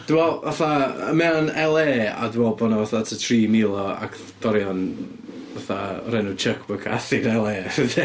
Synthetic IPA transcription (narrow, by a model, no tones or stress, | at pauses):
d̥ɪwɛlˠvaθaə̰mɛanɛlˠeːa̰dwɛlˠbɔnɔvaθatʰətʰriːmilˠɔa̰kʰ | d̥ɔɾjɔn | vaθarɛnut͡ʃʰəkʰbəkʰa̰θɪnɛlˠeːəðɛ